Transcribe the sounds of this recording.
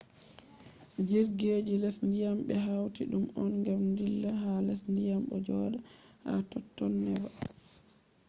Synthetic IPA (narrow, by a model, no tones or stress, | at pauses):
d͡ʒiɾɡed͡ʒilɛsndijamɓɛɦawtiɗumɔnŋɡamndilːaɦalɛsndijamɓɔ̰d͡ʒɔːɗa | ha̰tɔtːɔnːɛva